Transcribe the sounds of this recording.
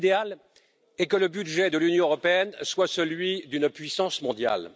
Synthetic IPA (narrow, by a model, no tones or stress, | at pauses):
d̪eal | ɛkələbyd̪ʒɛd̪əlynjɔ̃əʁɔpeɛnswasəlɥid̪ynpɥisɑ̃smɔ̃d̪ja̰l